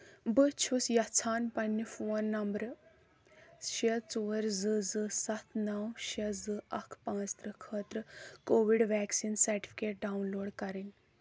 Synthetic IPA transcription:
bət͡ʃʰusjɐt͡sʰaːnpɐnːifoːnːɐmbəɾ | ɕet͡suːɾzɨd͡zɨsɐt̪ʰnɐwɕed͡zɨʔɐkʰpãːt͡st̪ɾəkʰət̪ɾəkoːʋiɽʋɛːksiːnsɐɾʈi̥fi̥keːʈ̚ɖawnloːɽkɐɾin

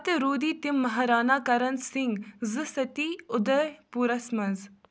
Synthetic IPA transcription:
t̪ɨɾuːd̪iːt̪imːɐɦɐɾaːnaːkɐɾɐnsɪŋɡzɨsɐt̪iʊd̪ɐɾpuːɾɐsmɐz

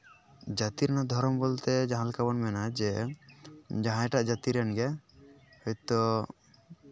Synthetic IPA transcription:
d͡ʒat̪iɾɛnad̪ʱɔɾɔmbolt̪ɛd͡ʒãɦãlkabɔnmɛnad͡ʒɛ | d͡ʒãɦãʈaʔd͡ʒat̪iɾɛnɡɛ | hɔt̪ɔ

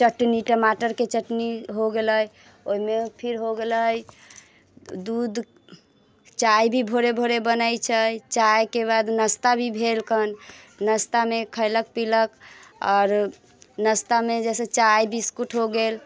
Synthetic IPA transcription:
t͡ʃəʈniʈəmaʈəɾket͡ʃəʈniɦoɡeləj | oɦimepʰiɾɦoɡeləj | d̪ud̪ | t͡ʃajbʱibʱoɾebʱoɾebənajt͡ʃʰəjt͡ʃajkeβad̪nəst̪abʱibʱelkənnəst̪amekʰəɪlək̚piləkɔːɾ | nəst̪amed͡ʒɛsẽt͡ʃajbʱiskuʈʰɦoɡel

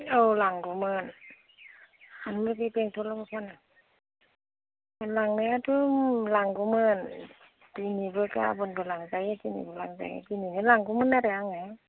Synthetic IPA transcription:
ɯlaŋɡumɯn | anmɯpipeŋtʰotlmɯkʰana | laŋnɯatʰɯmlaŋɡumɯn | tinibɯka̰bɯnbɯlaŋzajatinḭbɯlaŋza̰j̰tinimɯnlaŋɡumɯnːaɾaaŋa

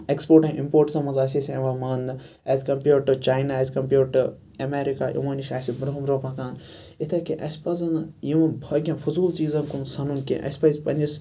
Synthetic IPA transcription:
ekspoːɾʈĩŋimpoːɾʈsɐmɐnzaːsʲisʲẽːʋɐmɐːnd̪ɨ | ɐzʲkɐmpʲjuːɾʈɨt͡ʃaːjnaːezʲkɐmpʲjuːʈɨ | ɐmeːɾika̰ːjʔḭmɐːniʃʲaːsibɾɐɦumɾoːpaːkaːn | it̪ʰɐkeʔɐsʲpɐzɐnjimɐbʱɐːkʲẽfʰuzuːlt͡ʃiːzɐnkunsɐnunkḛ̃ʔɐ̰sʲpɐzʲpɐnʲd͡ʒis

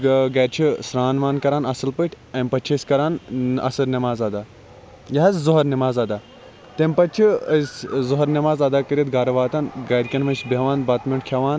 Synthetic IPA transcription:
ɡɐːɾʲt͡ʃʰisɾaːnʋaːnkɐɾaːnɐsɨlpəʈʰʲ | ɐmʲpɐt͡ʃʰɐsʲkɐɾaːnɐ̰sɐɾnʲɐmaːzɐd̪aː | jɐɦɐszuɦɐɾnɐmaːzɐd̪aː | t̪empɐt͡ʃʰiszʊɦɐɾnɐmaːzɐd̪aːkɐɾʲit̪ɡaːɾɐʋaːt̪ɐnɡɐɾʲkʲɐnmɐnsʲbɐʋaːnbɐːt̪mʲiɳkʰɐʋaːn

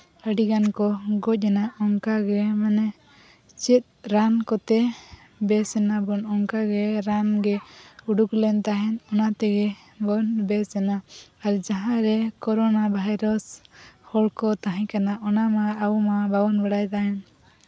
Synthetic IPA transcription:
əɽiɡankɔɡɔc̚ɛnaʔɔŋkaɡɛmanɛ | t͡ʃit̪̚ˀɾankɔt̪ɛ | bɛsɛnabɔnɔŋkaɡɛɾanɡɛuɖuklɛnt̪aɦɛnɔnat̪ɛɡɛ | bɔnbɛsɛnaaɾd͡ʒaɦãɾɛkɔɾɔnabʱajɾɔshɔɭkɔt̪aɦãkanaʔɔnamaawmababɔnbəɽajt̪aɦɛn

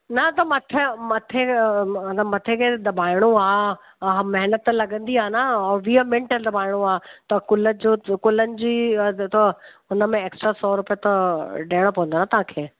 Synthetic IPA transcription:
nɐt̪ɐmɐt̪ʰemɐt̪ʰet̪ɐmɐt̪ʰekʰed̪ɐbʱaːɪɽ̃uaː | ɦãmɐɦnət̪lɐɠə̃nd̪iaːnaʋiəmẽɳʈəld̪ɐbʱaːɪɽ̃ũaːt̪ɐkʊləd͡ʑokʊlənɪ̆d͡ʑiːt̪ɐ | ʊnəmẽeːksʈɾasɔːɾʊpiot̪ɐɖeːɽ̃opɐʋə̃nd̪oːnãt̪ɐɦãːkʰeː

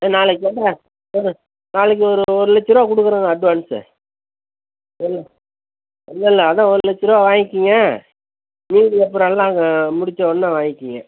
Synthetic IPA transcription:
eːnaːlɯk̬ːɯɛnːɐ | ɔɾɯ | naːlɐk̬ːɯɔɾɯɔɾɯlɛt͡ʃːɪɾoaːkʊɽɯkːɯɾaːŋɡɐɐɖʋaːnsɯ̰ | ɪlːɛ | ɪlːɐɪlːɛːðãːɔɾɯlɛt͡ʃːɪɾaːʋaːŋɡɪkːiŋɡɐ | miːɖɯɛpːɾɔ̃ɛlːãːɐmʊɽɪt͡ʃːɐ̃ɔnːaʋaːŋɡɪkːiŋɡɐ

